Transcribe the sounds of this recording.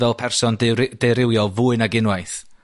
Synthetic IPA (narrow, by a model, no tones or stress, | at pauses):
ɛlˠpʰɛrsɔndd̥ejɾɪwjɔvuːɨnaɡɪnwajθ